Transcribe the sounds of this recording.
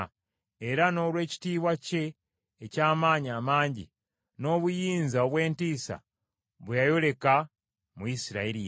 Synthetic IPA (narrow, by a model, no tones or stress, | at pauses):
e̞ɾano̞ːɾwe̞ːci̥tiːβwace̞ː | caːmaːɲaːmaːɲɟḭ | no̞ːβujiːnzaoβwe̞ːntiːsa̰ | βujajo̞le̞ka | muisiɾa̰eɾi